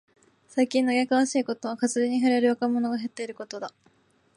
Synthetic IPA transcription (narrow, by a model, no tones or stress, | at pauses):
saikʲĩnːoɡʲekaβ̞aɕiːko̞t̪oβakazɨɾeɲ̟iɦaɾeɾɯ̟βakamo̞no̞ɡaɦe̞t̪ːe̞iɾɯ̟ko̞t̪o̞d̪a